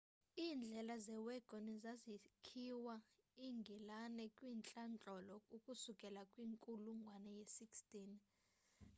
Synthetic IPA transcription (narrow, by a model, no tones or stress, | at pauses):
iːnd͡ɮʱɛlazɛwɛɡ̥ʱonizazikʰiwaiŋɡʱilanɛkʼwiːnt͡ɬʼant͡ɬʼɔlɔukʼusukʼɛlakʼwiŋkʼuluŋɡʱwanɛjɛsikstʼin